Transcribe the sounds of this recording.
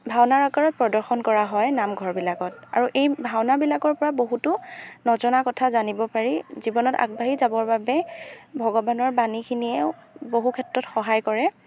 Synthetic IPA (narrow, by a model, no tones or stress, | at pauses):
bʱawnaɹakaɹɔt̚pɹɔdɔɹxɔnkɔɹaɦɔjnamɡʱɔɹbilakɔt̚a̰ɹuʔejbʱawnabilakɔɹpɔɹaboɦutʊnɔzɔnakɔtʰazanibɔpaɹizibɔnɔta̰k̚bʱaɦizabɔɹbabɛbʱɔɡɔbanɔɹbanikʰiniɛʊboɦukʰɛtɹɔtxɔɦajkɔɹɛ